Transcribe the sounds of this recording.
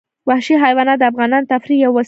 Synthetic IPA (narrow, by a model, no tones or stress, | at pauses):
wahʃiɦajwɑnad̪əafɣɑnɑnt̪afɾijawːas